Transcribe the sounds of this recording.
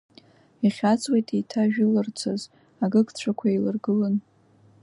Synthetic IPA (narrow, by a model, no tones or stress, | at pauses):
iχʲat͡sʼwejtʼitʰaʒᶣɪlɨrt͡sʰaz | aɡɨkʰʼt͡ɕʷʰakʷʰailɨ̰rɡɨlɨn